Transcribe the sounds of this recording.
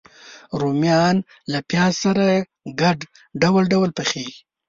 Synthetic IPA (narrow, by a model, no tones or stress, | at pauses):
ɾomjɑn | lapjɑsaɾa | ɡaɖ | ɖawalɖawalpəxeɡi